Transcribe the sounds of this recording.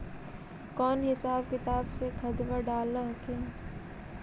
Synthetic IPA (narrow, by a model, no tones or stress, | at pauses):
kɔːnɦɪsaːbkɪt̪aːbsekʰɐd̪ʋaɖaːləɦkeː